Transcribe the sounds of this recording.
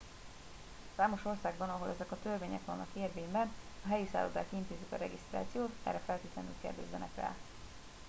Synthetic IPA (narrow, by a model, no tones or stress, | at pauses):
saːmo̞ʃo̞rsaːɡbɒnɒɦo̞lʔɛzɛkɒt̪ørveːɲɛ̰kʋɒnːʔɒkeːrveːmbɛnɒɦɛjisa̰ːlod̪aːkint̪eːzikɒɾɛɡist̪ra̰ːt̪sijoːt̪ɛ̰rːɛfɛlt̪eːt̪lɛny̰ːlkḛːrd̪ɛzːɛnɛkɛ̰l